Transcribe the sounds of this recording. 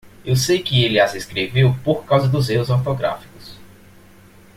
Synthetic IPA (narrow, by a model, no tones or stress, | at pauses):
ewsejkɪelɪazeskɾevewpoɾkawzɐd̪ʊzehʊzawt̪oɡɾa̰fi̥kʊ̥s